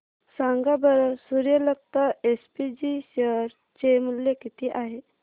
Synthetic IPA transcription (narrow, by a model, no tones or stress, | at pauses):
saŋɡabəɾəsuɾjələk̚t̪əespid͡ʑiɕəɾ | t͡ɕemuljekit̪iːʔaɦe